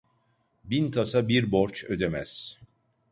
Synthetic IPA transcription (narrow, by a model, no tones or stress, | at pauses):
bint̪ʰasabiɾboɾt͡ʃød̪emæz̥